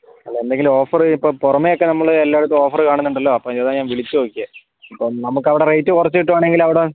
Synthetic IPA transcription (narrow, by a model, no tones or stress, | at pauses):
ɐlːeend̪e̞ŋɡilo̞ːfɐrɨipːoːporɐmːejokːe̞nɐmːɐɭelːaːeɽut̪ːuo̞ːfɐrɨkaːɳunːuɳɖɐlːo̞ːɐpːomiðeːðaːɲaːnʋiɭit͡ɕːuoːkːije | ipːonɐmukːɐʋiɽerejtːɨkurɐt͡ɕːuiʈ̬ːumaːɳe̞ŋɡilɐʋiɽe